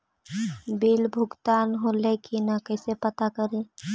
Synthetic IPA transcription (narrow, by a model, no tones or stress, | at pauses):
bilbʱʊɡt̪aːnɦolekinakəːsepət̪akəɾẽ